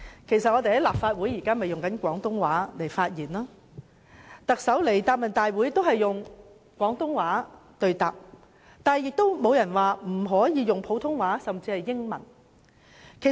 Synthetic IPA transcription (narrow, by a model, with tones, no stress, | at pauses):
kʰe˨˩jsɐ˨t̚ŋɔː˨˧t̪e˨jhɐ˨˥laː˨p̚faː˧t̚wu˨˥jiː˨˩kaː˥me˨jʊ˨ŋkɐ˨˥nkʷɔː˨˥ŋt̪ʊ˥ŋwaː˨˥le˨˩jfaː˧t̚jiː˨˩nlaː˥ | t̪ɐ˨k̚sɐ˨˥wle˨˩jt̪aː˧p̚mɐ˨˩nt̪aː˨jwu˨˥jt̪o˥whɐ˨jːʊ˨ŋ | kʷwɔː˨˥ŋt̪ʊ˥ŋwaː˨˥t̪ɵ˧ɥt̪aː˨p̚ | t̪aː˨˧˨jɪ˨k̚t̪o˥wmo˨˧wjɐ˨˩nwaː˨˩m̩˨˩ɦɔː˨˥jiː˨˧jʊ˨ŋpʰo˨˥wt̪ʰʊ˥ŋwaː˨˥sɐ˨˩mt͡siː˧hɐ˨jːɪ˥ŋmɐ˨˩n | kʰe˨˩